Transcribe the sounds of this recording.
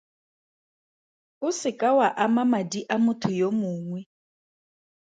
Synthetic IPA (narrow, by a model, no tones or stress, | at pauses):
ʊsɪkʼawaʔamamadiʔamʊtʰʊjomʊːŋwɛ